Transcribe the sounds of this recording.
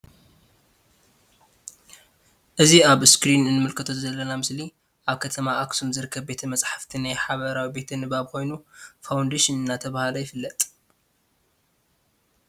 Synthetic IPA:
ʔɨziaβskɾinɨnːɨmɨlkʰɐt̪ʰo̞zɐlːɐnamɨsli | ʔaβkʰɐt̪ʰɐmaʔːksumzɨɾɨkʰːɐbbe̞t̪ʰɐmɐt͡sʼħḁft̪ʰinajħaβɐɾawibe̞t̪ʰɨnɨbaβko̞jnufawnd̪eʃinɨnːat̪ʰɐβahalojɪfɨlːɐt̪ʼ

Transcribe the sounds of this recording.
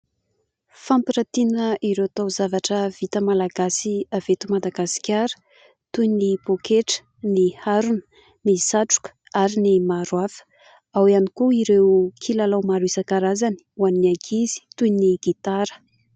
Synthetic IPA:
fampiɾat̪inəʔiɾewat̪awzavaʈ͡ʂəv̥it̪əmalaɡasiavet̪umad̪aɡasi̥kʲaɾə̥ | t̪ujnipokʰeʈ͡ʂə̥ | nihaɾunə̥ | nisaʈ͡ʂu̥kə̥aɾinimaɾwafə̥ | awianikuiɾewkʰilalawmaɾisakaɾazani̥uwanːiaɡʰizi̥t̪ujniɡ̥it̪aɾə̥

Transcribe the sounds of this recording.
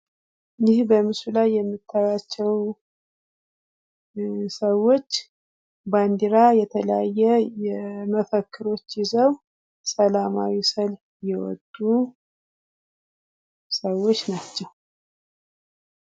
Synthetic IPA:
jɪhbəmɨsulajːɛmːɨt̪ʰːaɾat͡ʃːɛw | səwːo̞t͡ʃː | band̪iɾajɛt̪ʰələjajːɛjɛməfəkʰːɨɾo̞t͡ʃːjɪzəw | səlama̰wisəl | jɛwɔ̰d̪ʼːu | səwːo̞t͡ʃːnat͡ʃːɛw

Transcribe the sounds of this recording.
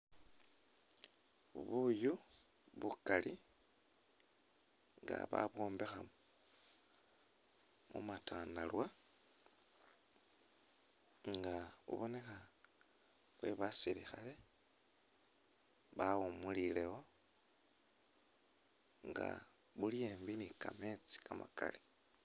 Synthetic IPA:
uβuju | βukalʔi | ŋɡa̰βa̰βwo̞ːmbexam | mṵmatʰaːndalwa | ŋɡaβṵβone̞xa | βweβasiɾixale̞ | βawumulileho̞ | ŋɡa̰ | βulieːmbinikame̞t͡si̥kʰamaka̰li̥

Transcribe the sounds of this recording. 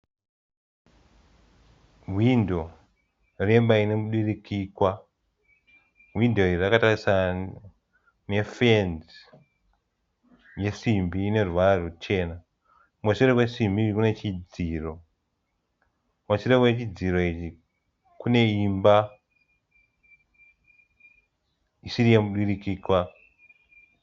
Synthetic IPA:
ɦwindo̞ | re̞mbainemuɗirikʰiːkwa | ɦwindo̞irirakatarisa | ne̞fenz | je̞simbiːne̞ruʋararut͡ʃe̞na | mat͡ʃire̞kwesimbirikune̞t͡ʃid͡ziːro̞ | mat͡ʃiɾekwet͡ʃid͡ziɾo̞it͡ʃi | kune̞imba | isirijemuɗirikiːkwa

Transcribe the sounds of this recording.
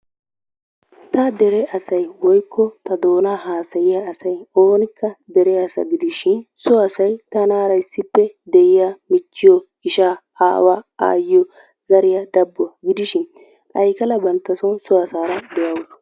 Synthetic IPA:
t̪ɐd̪ɛɾɛʔɐsɐjwɔjkʰːɔt̪ɐd̪o̞ːnaːɦaːsɐjɪjaːsɐjoːnɪkːɐd̪ɛɾɛɐsɐ̰ɡɪd̪ɪʃɪnsɔɐsɐjt̪ɐnaːɾɐjɪsːɪpːɛd̪ɛjɪjamɪt͡ʃːɪjɔ | ɪʃaː | aːwaa̰ːjɔ | zɐɾɪjɐd̪ɐbːʊɐɡɪd̪ɪʃɪn | ʔɐjkɐlɐbɐnt̪ːɐsɔnsɔɐsaːɾɐd̪ɛjɐwʊs

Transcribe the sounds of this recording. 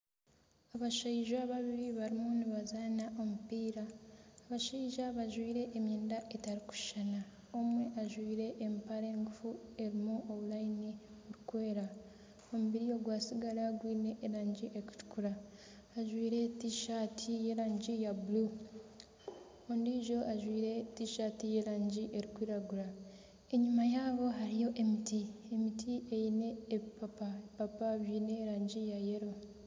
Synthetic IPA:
aβaʃaiʒaβaβiɾiβaɾimuniβazaːnaʔo̞mupiːɾaːβaʃaiʒaβaʒwiːɾe̞ʔːmjeːndaʔe̞taɾiku̥ʃana | o̞mwe̞ʔaʒwiːɾe̞ʔːmpaɾeːŋɡufue̞ɾimuʔoβulainiβuɾikwe̞ːɾa | o̞muβiɾijo̞ɡwaːsiɡalaɡwiːne̞ʔːɾaːɲɟiʔeku̥tu̥kuɾaː | ʒwiːɾe̞tiːʃaːtʰije̞ɾaːɲɟijabulu | ondiʒo̞ʔaʒwiːɾe̞tiːʃaːtije̞ːɾaːɲɟiʔe̞ɾikwiːɾaɡuɾa | e̞ɲumajaːβo̞ɦaɾijo̞ʔe̞mitie̞mitʰiʔe̞jine̞ːpapaepapaβiːne̞ːɾaːɲɟijaje̞ɾo̞

